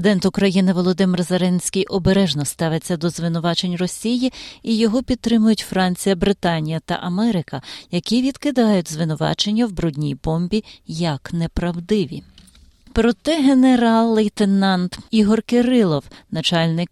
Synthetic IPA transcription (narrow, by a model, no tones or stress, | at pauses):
d̪ɛnt̪ʊkɾɐjinɪʋɔlˠɔd̪ɪmɪrzɐɾɛnʲsʲkʲijʔɔbeɾɛʒnɔst̪ɑʋet͡sʲːɐd̪ɔzʋɪnʊʋɑt͡ʃe̞nʲrɔsʲijiijɔɦɔpʲid̪̚t̪ɾɪmʊjʊtʲfɾɑnʲt͡sʲijɐbɾɪt̪ɑnʲijɐt̪ɐ̰ʔɐmɛɾɪkɐjɐkʲiʋʲid̪̥kɪd̪ɑjʊtʲzʋɪnʊʋɑ̰t͡ʃe̞nʲːɐwbɾudʲnʲḭjbɔmʲbʲijɐknepɾɐwd̪ɪʋʲḭ | pɾɔt̪ɛɦeneɾɑlˠːɛjt̪enɑnt̪iɦɔrkeɾɪlˠɔwnɐt͡ʃɑlʲnɪk